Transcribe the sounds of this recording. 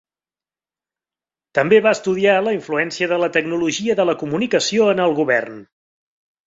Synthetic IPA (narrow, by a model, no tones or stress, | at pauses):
t̪əmbeβaəst̪uðialəiɱfluɛnsiəðələt̪əknuluʒiəðələkumunikəsioənəlˠɣuβɛ̰rn